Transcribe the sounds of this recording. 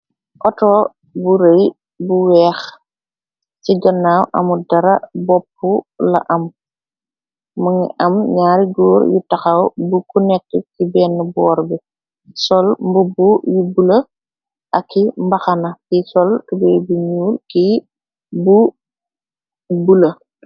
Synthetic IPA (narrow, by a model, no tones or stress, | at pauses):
ʔɔtɔː | buɾɐj | buwɛːx | siɡɐnːawʔɐ̰mudɐɾɐbɔpːulɐ̰ʔɐm | ɐŋḭʔɐmɲaːɾiɡɔːɾjṵtɐxɐwbukunɛkːəkibɛːnːəbɔːɾbi | sɔlmbubujubulə | ʔɐkʰːimbɐxɐnɐkisɔltubɛːjbuɲuːrki | bu | bulə